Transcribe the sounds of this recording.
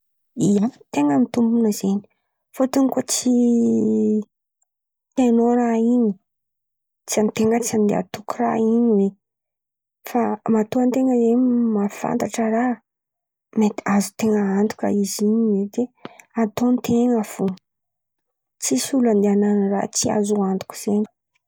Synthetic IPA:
iat̪eŋəmit̪umbunəzeni̥ | fot̪unikot͡si | t̪enoɾaiɲi | t͡siant̪eŋət͡siand̪ḛa̰t̪ukura̰iɲiwe | famat̪oant̪eŋəzemafa̰nt̪aʈ͡ʂəɾa | met̪azu̥t̪eŋəant̪u̥kʲə̰iziɲiwed̪eat̪ont̪ʰeŋəfu | t͡sisuland̪eananira̰t͡sia̰zuant̪u̥ku̥z̥eni̥

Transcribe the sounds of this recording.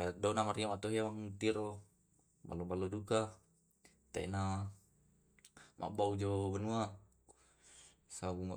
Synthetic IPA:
adaunamaɾiamat̪oɦiamaŋt̪iɾo | ba̰lobaloduka | t̪a̰ina | mʔa̰ʔbaud͡ʒobanua | sabuŋa

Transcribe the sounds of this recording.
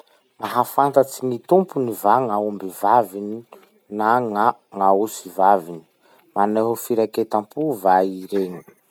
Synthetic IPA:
maɦafant̪at͡sinit̪umpunivaŋaumbivavini | naŋaŋausivavini̥ | maneɦufiɾaket̪ampuvaiɾeni̥

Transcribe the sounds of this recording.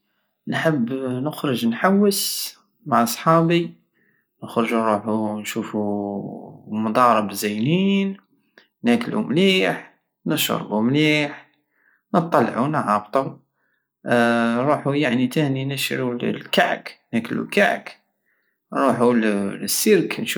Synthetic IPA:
nħəbːnəxɾəʒnħawːəs | maʕɑsˤħɑbi | nəxɾəʒunɾuħunʃufu | mɑd̪ˤɑɾˤəbzæjnin | næklṵmliːħ | nəʃo̰ɾˤbumliːħ | nət̪ˤːɑlʕunʕɑbt̪ˤu | ɾˤuħujaʕnit̪æninəʃɾul̰lkaʕknækəlṵka̰ʕk | nɾˤuħulsːəɾknʃ

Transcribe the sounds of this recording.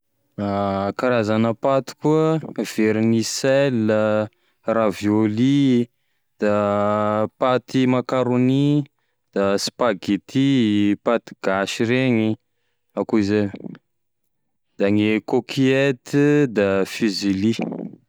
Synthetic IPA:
akaɾazanəpat̪i̥kuəv̥eɾiniselːə | ravjoli | d̪̥a | pat̪imakaɾoni | d̪̥asi̥paɡit̪ʰipat̪i̥ɡ̥aʃiɾeŋi | akuize | d̪̥aŋekokʰiet̪d̪afizili

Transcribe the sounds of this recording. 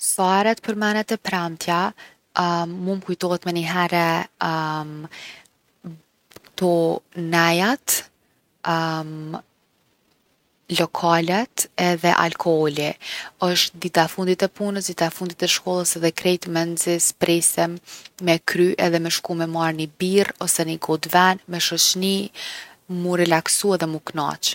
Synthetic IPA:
saɾɛt̪̚pəɾmɛnɛt̪ɛpɾamt̪ʰja | mumkujt̪ɔhɛt̪mɛniɦɛɾɛ | m | t̪ɔnɛjat̪ | m | lɔkʰalɛt̪ɛðɛ̰ʔa̰lkʰɔhɔliəʃt̪d̪it̪afund̪it̪ɛpunəsd̪it̪afund̪it̪ɛʃkɔlˠəsɛðɛkɾɛjt̪mɛnzɛspɾɛsɛmːɛkɾyʔɛðɛmɛʃkumɛmaɾnibirɔsɛniɡɔd̪vɛnmɛʃɔt͡ɕni | muɾɛlaksuɛðɛmukna̰t͡ʃ

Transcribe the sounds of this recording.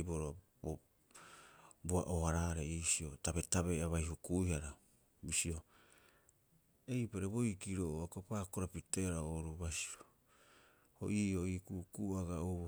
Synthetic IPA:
boɾoa | bo | bua̰ʔoaɾaɾeisio̞taβe̞taβe̞aβajɦukuihaɾa | bisio̞ | e̞jpaɾebo̞jkiɾoakopaːkoɾapite̞ɾaoɾuβasi̥ɾo | ho̰ʔiːo̞ikukuaɡaoβo

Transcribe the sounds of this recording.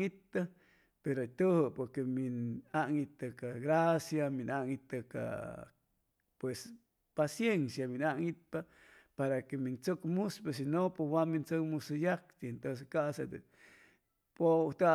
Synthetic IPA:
it̪ːa | peɾot̪uhopoɾkeminaʔŋit̪akaɣɾasjaminaʔŋit̪aka̰ | pwes | pasjensjaminaʔŋit̪̚pa | paɾakemint͡sokmuspes̬inopewamint͡sokmusujak̚t̪ient̪os̬ekaʔsad̪e | pot̪a

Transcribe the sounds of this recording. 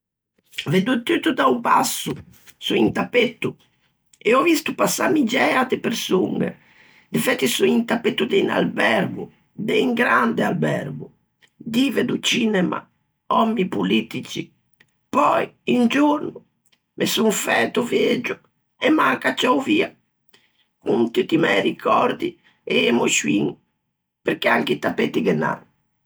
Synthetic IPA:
ved̪ut̪ːyt̪ud̪aupa̰sːu | suint̪apːet̪ːu | ɛɔvist̪upasːa̰mid͡ʒɛat̪epeɾsuŋɛ̰ | d̪efɛt̪ːisuint̪apːet̪ːud̪ena̰lbɛɾɡu | d̪ɛiŋɡɾand̪ɛalbɛɾɡu | d̪ivɛd̪ut͡ʃiːnɛma̰ | ɔmːipulit̪it͡ʃi | pɔjind͡ʒuɾnu | mʔesuɱfɛt̪uvjed͡ʒu | ɛmːaŋkat͡ʃːauviːa | kunt̪it̪imɛjɾikʰɔɾd̪i | ɛemuʃuḭŋ | peɾkeaŋkit̪apet̪iɡɛnːa̰

